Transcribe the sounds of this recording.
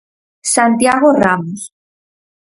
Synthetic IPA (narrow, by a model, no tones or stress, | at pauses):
sant̪jaɣoramos